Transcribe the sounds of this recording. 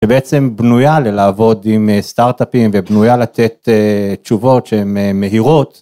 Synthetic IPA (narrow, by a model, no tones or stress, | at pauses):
ʃebeet͡se̞mbnujalelaːvo̞d̪imest̪aʁt̪apimvebnujalat̪e̞t̪et͡ʃuvo̞tʃehememːe̞ɦiʁo̞t̪